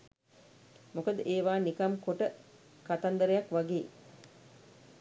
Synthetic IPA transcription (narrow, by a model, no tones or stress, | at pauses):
mokəd̪əʔeːʋaːnikamkoʈə | kat̪and̪əɾəjakʋaɡeː